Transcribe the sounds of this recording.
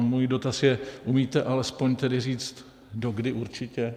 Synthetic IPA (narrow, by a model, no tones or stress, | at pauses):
muːjido̞t̪asjɛʔumiːt̪ɛʔalɛspo̞ɲt̪ɛdɪriːt͡st̪ | do̞ɡdɪʔuɾt͡ʃɪcɛ